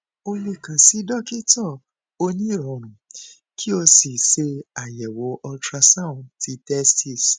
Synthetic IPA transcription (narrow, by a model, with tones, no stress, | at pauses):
o˧le˧˨kã˨si˨˦dɔ˦˨ki˦tɔ˦˨ | o˧nĩ˦˨ɾɔ̃˨˧˨ɾ̃ũ˨ | kʰi˦o˧si˨se˧a˨jɛ˨wo˨˦ʔɔ˧tɾa˧sã˦˨ti˧˦tɛ˦stʰi˦˨s